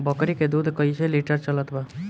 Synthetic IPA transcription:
bʌkɾiked̪ud̪ʱkʌjsʰeliʈəɾt͡ʃʌlət̪ba

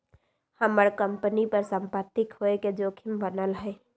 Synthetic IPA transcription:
həməɽkə̃mpənipəɾsə̃mpət̪ːɪkɦoeked͡ʒoːkʰɪmbənəlɦɛː

